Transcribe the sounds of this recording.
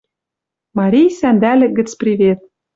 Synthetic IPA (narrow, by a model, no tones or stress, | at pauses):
mɑɾʲijsænd̪ælʲɘ̆ɡɘ̆t͡sprʲiβʲet̪̚